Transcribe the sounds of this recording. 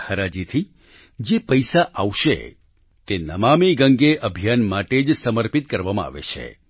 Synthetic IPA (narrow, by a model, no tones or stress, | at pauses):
həɾad͡ʒit̪ʰi | d͡ʒepəjsaʔaʋʃḛ | t̪enəmamiɡəŋɡeʔəbʱijanmaʈed͡ʒsəməɾpit̪̚kəɾʋamã̰a̰ʋḛt͡ʃʰḛ